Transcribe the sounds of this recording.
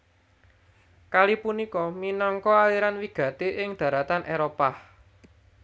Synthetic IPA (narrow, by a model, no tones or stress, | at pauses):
kalipunikɔminɔŋkɔaliɾanwiɡ̥ä̤t̪eʔɪŋd̪̥ä̤ɾat̪anʔeɾopa